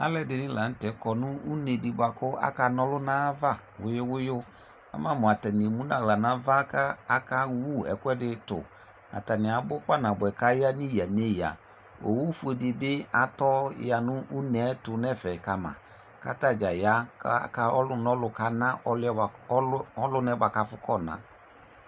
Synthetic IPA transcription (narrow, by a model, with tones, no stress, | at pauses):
a̰˦lɛ˦dɪ˧nɪ̃˦la˨n̩˦tɛ˨kɔ˨nʊ̃˦u˦ne˨dɪ˨ba˨kʊ˦a̰˦ka˧nɔ˦lʊ˦nãː˦va˦˨wʊ˨˦jʊ˦wʊ˦jʊ˦ | a̰˨˦mã˦˨mʊ̃˨a˨tɛ˨nɪ˨mũ˦nã˦˨la˨nã˨˦va˦ka˦a˦ka˦wu˦ɛ̰˨kʊ˦ɛ˦dɪ˧tʊ̰˨ | a̰˨ta˨nɪ˨a˨˦bʊ˦k͡pa˦nã˨bʊ˨ɛ˨ka˨˦ja˦ni˦˨ja˨ne˦ja̰˨ | o̰˨wu˦fu˦e˧dɪ˧bɪ˦a˨tɔ˦˨ja˨nʊ˦ʔu˦nɛ˨˦tʊ˨nɛ˦˨fɛ˨ka˧mã̰˨ | ka̰˨˦ta˦˨d͡ʒa˨ja˨˦ka˧˦ɔ˦lʊ˦nɔ˦lʊ˧ka˨˦nã˦ʔɔ˧lɔ˦lʊ˦nɛ˧˦ba˨ka˧fʊ˦kʰɔ˦˨nã̰˨˦